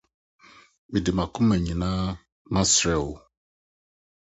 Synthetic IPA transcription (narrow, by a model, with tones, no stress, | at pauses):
ɓi˨di˨ma˨ku˦mɛ˨ɲi˨na˦ | ma˦sɾɛ˨wo˨